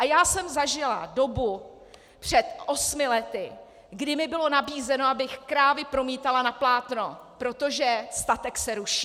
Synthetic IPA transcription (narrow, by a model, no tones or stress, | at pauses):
ʔajaːsɛmzaʒɪla̰do̞bu | pr̝̥ɛt̪ʔo̞smɪlɛt̪ɪ | ɡdɪmɪbɪlo̞nabiːzɛno̞abɪxkɾaːvɪpɾo̞miːt̪alanaplaːt̪no̞pɾo̞t̪o̞ʒɛst̪at̪ɛksɛɾuʃi